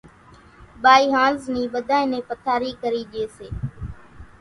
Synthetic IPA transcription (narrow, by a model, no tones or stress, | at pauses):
ɓaːiːɦãːlzniːɓəd̪ʱaːẽnẽːpət̪ʰaːɾiːkəɾiːʄeːseː